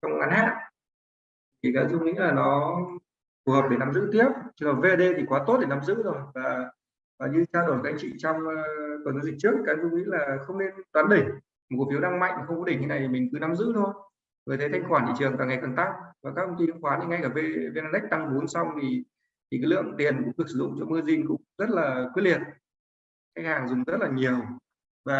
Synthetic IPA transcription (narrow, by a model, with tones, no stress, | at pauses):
t͡ɕɔ˧wŋ͡mŋa˨˦nha̰ː˧˨n | t̪ʰi˨˩kaː˨˦˥zʊ˧ŋ͡mŋḭ˧˥ŋlaː˨˩nɔ˨˦ | fu˨˩həː˨˩p̚ɗe˧˩na˨˦mzɨ̰˧˥t̪i˦˥əp̚t͡ɕɔ˧ɔ˨˩ve˧ʔə˧ɗe˧t̪ʰi˨˩kwaː˨˦t̪o˦˥t̚ɗe˨˩na˨˦mzɨ̰˧˥zo˨˩jvaː˨˩ | vaː˨˩ɲɨ˧˨˩t͡ɕaː˧zo˧˩˨kaː˨˦˥k̚t͡ɕḭ˧˨t͡ɕɔ˧wŋ͡mkɔ˨˩nːɔ˨˦zi˨˩t͡ɕɨ˦˥ə˨kːaː˨˦zʊ˧ŋ͡mḭ˧˥ŋ̟laː˨˩xə˧wŋ͡mne˧nɗwaː˨˦nɗə˧˩ŋ | mo˨˩t̚k̚ːfi˨˦nɗa˧ŋma̰˧˨jŋm˨˩xə˧wŋ͡mkɔ˨˦ɗi˧˩ŋ̟t̪ʰna˨˩jt̪ʰi˨˩mï˨˩ŋ̟kɨ˨˦na˨˦mzɨ̰˧˥t̪ʰo˧j | ŋəː˨˩t̪ʰə˨˦jt̪ʰa˧ŋxwaː˧˩nḭ˧˨t͡ɕɨ˨˩əŋkaː˨˩ŋa˨˩jka˨˩nt̪a˦˥k̚vaː˨˩kaː˦˥kt̪ʰə˧ŋ͡mt̪i˧˦˥xwaː˨˦nʰi˨˩ŋa˧jkaː˧˩ve˧ve˧naː˧nɛ˦˥k̚t̪a˧ŋɓo˨˦nsa˧wŋ͡mt̪ʰi˨˩ | t̪ʰi˨kaː˨˦lɨ̰˧˨əŋt̪i˨˩ənkʊ̰˧˥ŋ͡mkɨ˨˩k̚sɨ̥˧˨˩zʊ̰˧˨ŋ͡mt͡ɕɔ˧mɨ˧zi˧nkʊ̰˧˥ŋ͡mzə˦˥t̚laː˨˩kw̚li˨˩ət̚ | ka˦˥k̚haː˨˩ŋzʊ˨˩ŋ͡mzə˦˥t̚laː˨˩ɲi˨˩əw | vaː˨˩